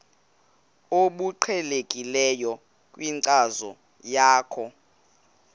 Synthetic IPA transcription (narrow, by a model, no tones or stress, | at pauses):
oɓuǃʰɛlekʼilɛjɔ | kʼwiŋǀazɔ | jaːkʰɔ